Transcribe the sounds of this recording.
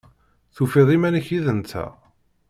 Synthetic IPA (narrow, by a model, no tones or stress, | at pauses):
θufeðˤimænəçiðənt̪ʰæ̰